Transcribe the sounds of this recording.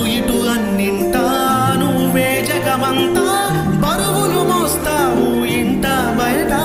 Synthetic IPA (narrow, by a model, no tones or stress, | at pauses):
iʈuɐnːiɳʈɐ | nu | beːd͡ʒɐɡɐmɐnt̪ɐ | bɐɾuɦulumɔːst̪aːɦu | iɳʈɐ | bɐjɐʈa